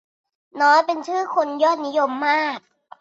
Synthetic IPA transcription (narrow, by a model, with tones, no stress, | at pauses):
nɔː˦˥jpe˧nt͡ɕʰɯː˥˩kʰo˧njɔː˥˩t̪̚ni˦˥jo˧mːaː˥˩k̚